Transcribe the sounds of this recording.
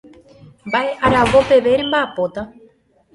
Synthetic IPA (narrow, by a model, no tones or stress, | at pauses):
mbaʔe̞ʔaɾawo̞pe̞ʋe̞ɾẽ̞mbaːpo̞t̪a